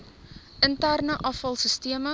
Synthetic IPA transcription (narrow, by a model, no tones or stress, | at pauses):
ʔəntærnəʔɐfɐlˠsəstiəmə